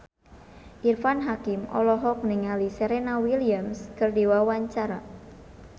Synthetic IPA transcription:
ʔirfanɦakimʔɔ̰lɔɦɔk̚niŋaliseɾenawiliamskɨrdiwawaɲt͡ʃaɾa

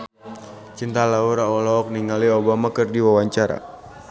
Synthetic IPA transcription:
t͡ʃint̪alauɾaɔlɔːk̚niŋaliɔbamakɨrdiwawaɲt͡ʃaɾa̰

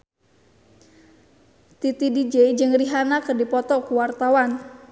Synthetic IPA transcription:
t̪it̪idid͡ʒed͡ʒɨŋriɦanakɨrdipɔt̪ɔkuwart̪awan

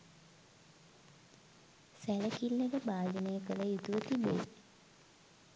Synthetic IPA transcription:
sæləkilːeɡəbaːd͡ʒəneːəkələjut̪uʋət̪ibḛ

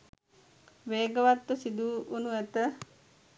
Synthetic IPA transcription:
ʋeːɡəʋat̪ːusid̪uːʔunuɛt̪ə

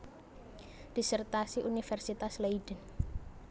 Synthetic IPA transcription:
d̥isərt̪asiʔunifɛrsit̪asleiɖ̥ən

